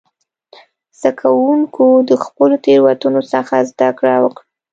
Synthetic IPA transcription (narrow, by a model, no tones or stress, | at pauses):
z̥akʰawuŋkʰod̪əxpəlot̪eɾwat̪unosəxazd̪akɽawəkɽ